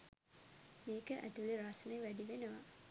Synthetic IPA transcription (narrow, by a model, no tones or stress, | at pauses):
meːkəʔæ̰t̪uleɾaːsənəjʋæɖiʋenəʋa̰